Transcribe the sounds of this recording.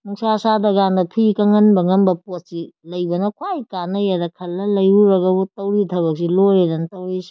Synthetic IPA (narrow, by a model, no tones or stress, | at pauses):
muŋsasadɐɡandɐpʰikɐŋɐnbɐŋɐnbɐpot̚silɐjbɐnɐkʰwajkanɐjadɐkʰɐlːɐlɐjuɾɐɡɐbutɐwɾitʰɐbɐk̚silojedɐntɐwɾisi̥